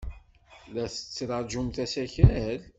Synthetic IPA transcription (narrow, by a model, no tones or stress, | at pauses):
læθə̥t͡sːɾɑɾˤd͡ʒumθæsæçæl